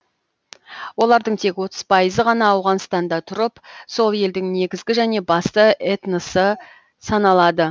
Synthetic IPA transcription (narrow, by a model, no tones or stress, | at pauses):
wo̞lˠɑɾd̪əɴt̪ʰe̞kwo̞t̪əz̥pʰɑjəzəʁɑnɑːwʁɑnst̪ɑnd̪ɑt̪ʰʊɾəpso̞lˠje̞ld̪ɪŋne̞ɡʲɪzɡʲɪʒæne̞bɑst̪əʔet̪nəsə | sɑnɑlˠɑd̪ə